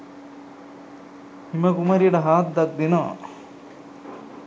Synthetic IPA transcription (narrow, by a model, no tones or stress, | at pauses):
himɐkumɐɾiɽɐɦaːt̪̚d̪ɐk̚d̪ino